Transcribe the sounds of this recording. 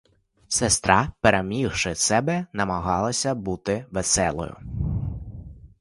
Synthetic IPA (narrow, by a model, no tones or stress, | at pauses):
sest̪ɾɑpeɾʔemʲixʃɪsɛbɛnɐmɐɦɑlˠɐsʲɐbut̪ɪʋesɛlˠɔ̰jʊ̰